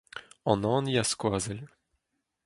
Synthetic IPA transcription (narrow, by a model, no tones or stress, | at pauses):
ɔnɔ̃njaskwazɛl